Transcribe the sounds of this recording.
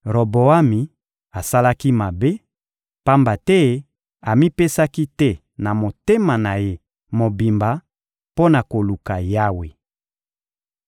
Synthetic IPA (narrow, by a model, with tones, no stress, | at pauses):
ʁo˨bo˨a˦mi˨ | a˨sa˦la˦ki˦ma˨be˦ | pa˦mba˨tɛ˦ | a˨mi˦pe˦sa˦ki˦tɛ˦ | na˨mo˨te˦ma˨na˨je˦ | mo˨bi˨mba˨ | po˦na˨ko˨lu˨ka˨ja˦we˨